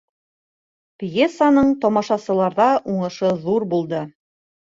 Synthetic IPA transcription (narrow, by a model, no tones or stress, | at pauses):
pjesːanɤɴt̪ɒmɑʃɑsɤ̆lˠɑɾðɑʔuɴɤ̆ʃɤðuɾbulˠd̪ɤ